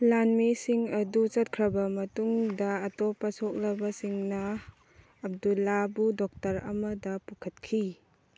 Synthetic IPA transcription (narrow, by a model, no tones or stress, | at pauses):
lanmisiŋɐdut͡ʃɐt̚kʰɾɐbɐmɐtuŋdɐːtɔpɐsok̚lɐbɐsiŋnɐː | b̚dulːabudɔk̚tɐɾɐ̰mɐdɐpukʰɐt̚kʰi